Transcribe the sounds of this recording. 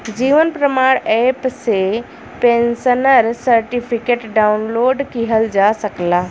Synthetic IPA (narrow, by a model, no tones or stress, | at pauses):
d͡ʑiːʋənpɾəmaːɽ̃ɛːpse | pẽːnsənəɾsɐɾʈipʰikeːʈɖaːʊnloːɖkiɦəld͡ʑaːsɐklaː